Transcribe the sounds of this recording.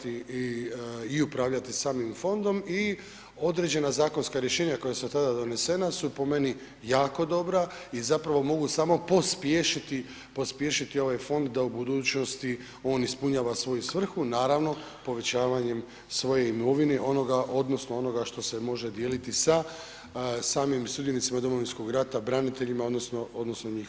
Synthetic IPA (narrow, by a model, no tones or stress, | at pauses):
t̪iiiupɾaːʋʎat̪isaːmimfo̞nd̪o̞mi | o̞d̪ɾe̞d͡ʑe̞nazaːko̞nskaɾje̞ʃe̞ːɲako̞jasut̪ad̪ad̪o̞ne̞se̞nasupo̞me̞ni | jaːko̞d̪o̞bɾa | izapɾaʋo̞mo̞ɡusaːmo̞po̞spjeʃit̪i | po̞spje̞ʃit̪io̞ʋajfo̞nd̪d̪aubud̪uːt͡ɕno̞st̪i | o̞ːnispuɲaːʋasʋo̞jusʋr̩xunaːɾaʋno̞ | po̞ʋe̞t͡ɕaːʋaɲe̞m | sʋo̞je̞imoʋineʔo̞no̞ɡaʔo̞d̪no̞snoo̞no̞ɡaʃt̪o̞se̞mo̞ʒed̪je̞ːlit̪isa | saːmimst̪ud̪jenit̪simad̪o̞mo̞ʋinsko̞ɡɾat̪abɾanit̪e̞ʎimaod̪nosnoo̞d̪no̞snoɲiːx